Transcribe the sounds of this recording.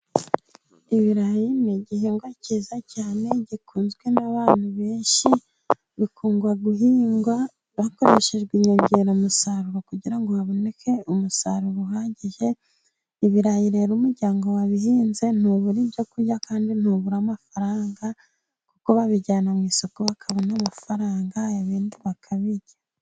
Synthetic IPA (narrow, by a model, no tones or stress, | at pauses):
iβiɾahiniɟihiːŋɡwacizacaːne̞ɟikʰuːnzɡwe̞naβaːn̥huβe̞ːnʃi | βikuːŋɡwaɡuɦiːŋɡwa | βako̞ɾe̞ʃe̞ʒɡwiːɲoɲɟeɾomusaɾuɾokuɟiɾaŋɡo̞βaβo̞ne̞ke̞umusaɾuβuɦaːɟiʒe̞ | iβiɾajiɾe̞ɾumuɾɟaːŋɡo̞waβihiːnze̞n̥uβuɾibjo̞kuɾjakaːndin̥uβuɾamafaɾaːŋɡa | kukoβaβiɟaːnamŋiːso̞koβakʰaβonamafaɾaːŋɡaeβiːndiβakʰaβiɟa